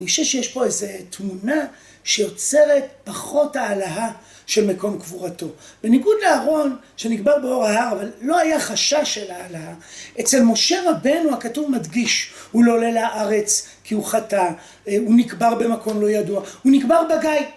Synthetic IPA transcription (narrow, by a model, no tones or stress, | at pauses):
nioʃevʃejeʃpo̞ezetmuna | ʃe̞jo̞t͡se̞ʁe̞tpaχo̞thaːlaɦa | ʃe̞lmeko̞mkvuʁato̞b̥e̞niɡudleaʁo̞n | ʃe̞niɡbaʁbeo̞ʁaɦaʁavalːo̞hajaχaʃaʃelaːlahaʔet͡se̞lmo̞ʃe̞ʁabenuhakatuvmadɡiʃhulolelaʔaʁe̞t͡s | kʰiuχata | unikbaʁbe̞mako̞mlo̞jaduauniɡbaʁbaɡaj